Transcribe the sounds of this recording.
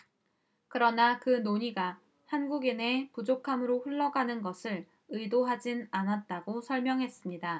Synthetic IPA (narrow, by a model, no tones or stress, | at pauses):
kɯɾʌnakɯnoɲiɡa | hanɡuɡine̞pud͡ʑokʰamɯɾoɸuɭːʌɡanɯnɡʌsʰɯɭ | ɯidoɦad͡ʑinanat̚t͈aɡosʰʌɭmjʌŋɦe̞s͈ɯmɲida